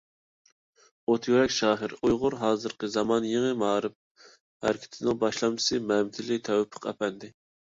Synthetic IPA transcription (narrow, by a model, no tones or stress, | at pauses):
ot̪ʰjøɾɛkʲʃɑːɦɨɾujʁʊɾɦɑːzɨɾqəzɑmɑnjeŋɨmɑːɾɨp̚ | hæ̰ɾɪkʲʰɪ̥t̪ʰɪnɪŋbɑʃlˠɑmt͡ʃ̪ʰɨ̥sɨmɛmt̪ʰɪlɪt̪ʰɛwpʰə̥qæ̰pʰɛnd̪ɪ